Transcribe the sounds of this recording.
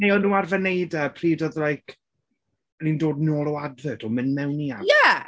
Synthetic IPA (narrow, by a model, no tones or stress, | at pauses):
nejɔnũːarvənejdəpʰriːdɔðlˠajkʰ | nindoːdnoːlˠɔwadvədɔmɨnmɛwniajɛ